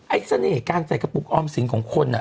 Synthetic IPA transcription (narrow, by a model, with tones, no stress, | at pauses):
ʔa˧˥sa˧neː˨˩kaː˧nsa˨˩ka˧pu˨˩k̚ʔɔː˧˩msi˨˩˦ŋkʰɔː˨˦ŋkʰo˧nʔa˨˩